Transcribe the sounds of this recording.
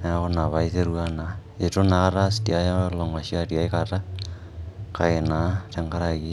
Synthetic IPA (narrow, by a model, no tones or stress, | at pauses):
aonaβaiseɾuana | etonakaɾasdiajaloŋasiadiajkata | kaenat͡ʃaŋkaɾaɡi